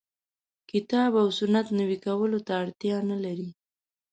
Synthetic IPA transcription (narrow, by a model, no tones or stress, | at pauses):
kɪt̪ɑbawsʊnat̪nawikawəlot̪aːɽt̪jɑnalaɾi